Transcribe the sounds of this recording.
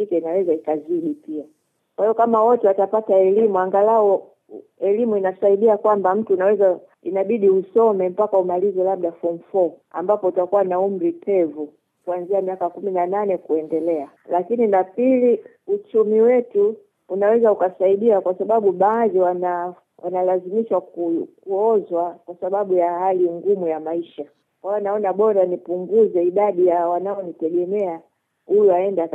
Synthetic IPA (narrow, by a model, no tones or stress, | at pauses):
ikɛinawɛzaikaziɗipia | kwahijɔkamawɔtɛwatapataɛlimuaŋɡalaɔ | ɛlimuinasaiɗiakwambam̩tunawɛza | inaɓiɗiusɔmɛm̩pakaumalizɛlab̚ɗafɔm̩fɔa̰mbapɔutakuwanaum̩ɾipʰɛvu | kuanziamiakakuminananɛkuɛndɛlɛa | lakininapili | ut͡ʃumiwɛtu | unawɛzaukasaiɗiakwasaɓaɓuɓaːðiwana | wʔanalazimiʃwakukuɔzwakwasaɓaɓujahaliŋɡumujamaiʃa | kwaanaɔnaɓɔɾanipuŋɡuzɛiɗaɗijawanaɔnitɛɡɛmɛa | hujuaɛnda